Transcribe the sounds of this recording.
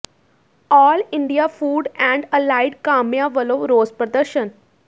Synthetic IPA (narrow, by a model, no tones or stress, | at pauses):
ɔːliɳɖijafuːɖæ̃ɳɖəlaɪɖkamjaʋəloʋɾoːd͡zpɾəd̪əɾɕən